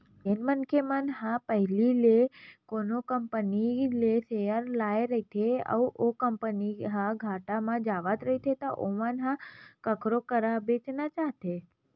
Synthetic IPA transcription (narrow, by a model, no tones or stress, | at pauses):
enmənkʰemanɦãpəɦlilekonokəmpənilesejəɾlajɾəɦit̪ʰeə̰uʔokəmpəniɦãɡʱaʈamãd͡ʒaʋat̪ɾəɦit̪ʰet̪oʔoʋanɦãkəkʰɾokəɾabet͡ʃnat͡ʃaɦt̪ʰe